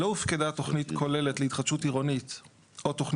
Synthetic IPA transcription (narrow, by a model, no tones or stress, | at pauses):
loifkedato̞χnitkʰo̞leletleit̪χadʃutiʁonit | ʔot̪oχn